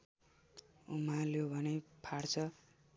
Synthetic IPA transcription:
umaljobʱʌnepʰaɽt͡sʰʌ

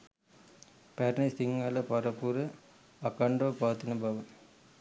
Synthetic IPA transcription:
pæɾnesiŋːaləpaɾəpuɾə | akaɳɖoːpaʋt̪inəbaʋə

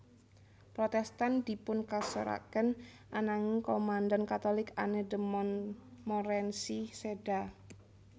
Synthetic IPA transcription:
pɾot̪ɛst̪and̪̥i̤pʊnkasə̰ɾa̰kən | ʔanaŋikomandankat̪olɪka̰nədəmɔnmoɾɛnsiseda

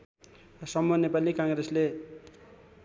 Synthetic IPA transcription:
sʌmːunepalikaŋɡresle

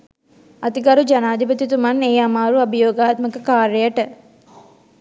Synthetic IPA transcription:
ɐt̪iɡaɾud͡ʒanaːd̪ibət̪it̪umɐneːamaːɾuɐbijoːɡaːt̪məkəkaːɾəjəʈə

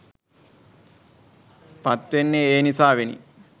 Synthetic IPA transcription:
pat̪ʋenːeeːnisaːʋenḭ

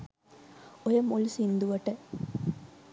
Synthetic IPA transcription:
ojəmulsind̪uʋɐʈə

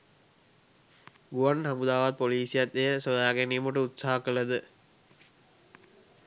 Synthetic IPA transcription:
ɡuʋansamud̪aːʋat̪̚poliːsijat̪ejəsod̪aːɡenimuʈəut̪saɦakələd̪ə

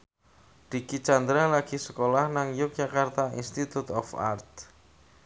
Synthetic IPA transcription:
d̪̥i̤kit͡ʃand̪ɾalaɡ̥i̤sə̥kolahnaŋjʊk̚d͡ʒakart̪aḭnst̪it̪ut̪ɔfa̰rt̪̚

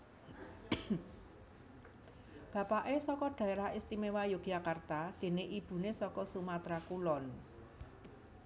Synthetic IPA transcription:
b̥ä̤paʔesɔkɔɖ̥a̤eɾahist̪imewajoɡ̥jakart̪ad̪̥e̤neʔib̥ṳnesɔkɔsumat̪ɾakulɔn

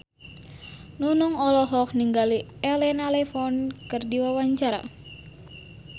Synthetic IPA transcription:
nunuŋɔlɔɦɔk̚niŋɡaliɛlɛnalɛfɔnkɨrdiwawaɲt͡ʃaɾa̰

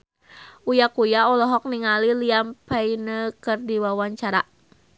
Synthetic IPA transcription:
ʔujakujaɔlɔɦɔk̚niŋaliliampɛinəkərdiwawaɲt͡ʃaɾa

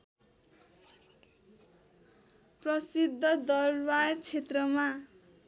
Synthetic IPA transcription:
prʌsid̪ʱːʌd̪ʌrbart͡sʰet̪rʌma

